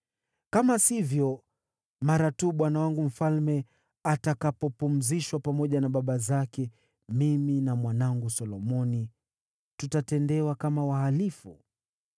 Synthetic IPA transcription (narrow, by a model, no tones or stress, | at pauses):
kamasivjɔ | maɾatuːɓwanawaŋɡum̩falmɛ | atakapɔpum̩ziʃwapamɔʄanaɓaɓazakɛ | miminamwanaŋɡusɔlɔmɔni | tutatɛndɛwakamawahalifu